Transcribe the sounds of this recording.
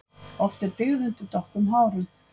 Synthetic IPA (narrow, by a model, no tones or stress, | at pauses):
ɔft̪ɪɾt̪ɪɣðʏn̥t̪ʏt̪ɔhkʏmɦaːwɾʏ